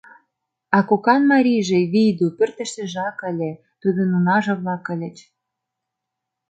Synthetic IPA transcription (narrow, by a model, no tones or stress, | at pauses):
ɑkokɑnmɑɾʲijʒĕβijd̪upø̆rt̪ə̆ʃt̪ĕʒɑkə̆lʲe | t̪ud̪ə̆nunɑʒɤ̆βlɑkə̆lʲĕt͡ɕ